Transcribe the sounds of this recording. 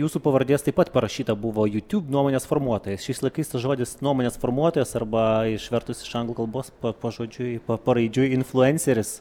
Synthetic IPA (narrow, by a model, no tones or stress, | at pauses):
juːsuːpɐʋɐɾʲd̪ʲeːst̪ɐɪpɐt̪pɐɾɐʃʲiːt̪ɐbʊʋoːjuːt̪ʲuːbnuɔmoːnʲeːsfoːrmuɔt̪oːjɛsʃʲɛɪslˠɐɪkɐɪst̪ɐsʒoːd̪ʲɪsnuɔmoːnʲeːsfoːrmuɔt̪oːjɛːsɐrbɐɪʃʋʲɛɾt̪ʊsʲɪ̥ʃɐŋɡlˠuːkɐlˠboːspɐpoːʒoːd͡ʒʲʊɪpɐpɐɾɐɪd͡ʒʲʊɪnflˠʊɛnʲsʲɛɾʲɪs